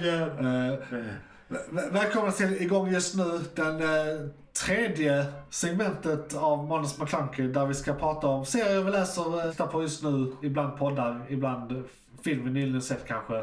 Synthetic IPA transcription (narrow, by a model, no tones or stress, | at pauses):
vɛːlkʰɔmnat̪ʰɪlɪɡɔŋːjɵst̪nʉ̟ːd̪ɛn | t̪ʰɾeːd̪jəsɛɡmɛnt̪ət̪avmɔnːəsmakʰlaŋkəd̪æɾvɪskapʰɾɑːt̪aɔmseːɾɪɔvɪlɛːsəɾt̪ːapʰɔjɵst̪nʉ̟ːɪbland̪̚pʰɔd̪ːaɾɪbland̪ | fɪlmənilɪəsɛt̪ːkʰanɧə